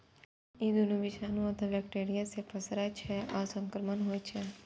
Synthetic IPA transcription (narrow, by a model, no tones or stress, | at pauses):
id̪unuʋɪʃaːnũət̪ʰeʋɛkʈeːɾijasepʰəsɾat͡ʃʰɛaːsə̃ŋkəɾmənɦoet͡ʃʰɛ